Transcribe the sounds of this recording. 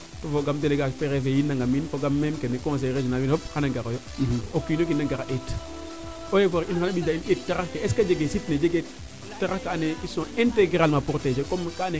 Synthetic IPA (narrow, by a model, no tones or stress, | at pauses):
tofoɡamdeleɡapeɾefejinːaŋɡaminfoɡamːemkenekõs̬eɾeʒonalwinophanaɡaɾojoiokinokinːaŋɡaɾaʔet | ojefoɾinxanaɓinaiet̚tːaɾakeeskad͡ʒeɡesitned͡ʒeɡe | taɾakaːneisõẽnteɡɾalmapuɾted͡ʒekomkane